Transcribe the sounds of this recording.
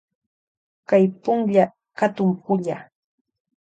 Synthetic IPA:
kajpʊŋʎa | kat̪ʊmpʊʎa

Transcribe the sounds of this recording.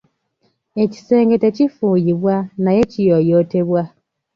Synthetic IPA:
eci̥seːŋɡetecifujiβwanajecijojoteβwa

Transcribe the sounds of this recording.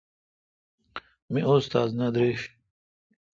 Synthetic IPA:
miʔost̪a̰ːznɐd̪ɾeɕ

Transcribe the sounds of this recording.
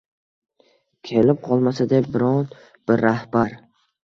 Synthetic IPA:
kʲʰelɪp̚qʰɒlˠmasad̪abɪɾɒn | b̥ɪɾːahbaɾ

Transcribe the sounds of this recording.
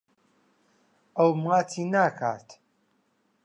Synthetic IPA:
ɐwmŋaːtʰiːnaːkʰa̰ːt̪ʰ

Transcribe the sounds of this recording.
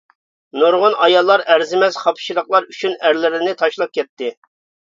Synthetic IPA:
nuɾʁʊnɑjɑlˠːɑɾæɾzɪmɛz̥χɑpʰʃiɾəχlˠɑɾyt͡ʃʰynæɾlɪɾɪnɪt̪ʰɑʃlˠɑp̚kʲɛt̪ʰːɪ

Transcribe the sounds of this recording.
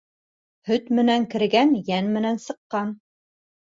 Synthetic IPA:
hɵt̪mɘ̆næŋkɘ̆ɾɡænjænmɘ̆nænsɤ̆qːɑn

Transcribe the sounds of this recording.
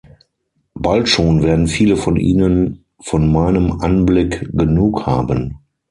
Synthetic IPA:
b̥altʃoːnvɛːɐdn̩fiːləfɔnʔiːnən | fɔnmaɪnəmʔanblɪkɡənuːkha̰ːbən

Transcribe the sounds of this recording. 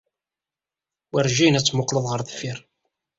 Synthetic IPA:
wæɾʒinæt͡sːmʊqləðˤʁəɾðfiɾ

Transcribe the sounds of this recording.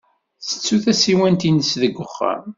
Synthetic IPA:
θə̥t͡sːuθæsiwænt̪inəsðəɡːʊχːæ̰m

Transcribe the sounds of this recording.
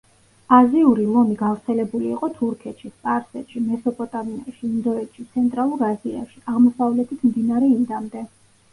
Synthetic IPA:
aziuɾilˠɔmiɡavɾt̪sʰɛlɛbuliːqʼɔt̪ʰuɾkʰɛt̪ʃisp̪ʼaɾsɛt̪ʃimɛsɔpʼɔt̪ʼamia̰ʃiːnd̪ɔɛt̪ʃit̪sʰɛnt̪ʼɾalˠuɾazia̰ʃiʔaʁmɔsavlɛt̪ʰit̪ʰmd̪inaɾɛimd̪amd̪ɛ

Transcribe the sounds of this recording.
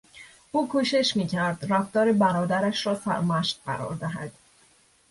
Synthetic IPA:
ʔuːkʰuːʃe̞ʃmiːcʰæɾd̪ræft̪ɒːɾebæɾɒːd̪æɾæʃɾɒːsæ̰ɾmæʃt̪̚ɢæ̰ɾɒ̰ːɾd̪æɦæ̰d̪̥

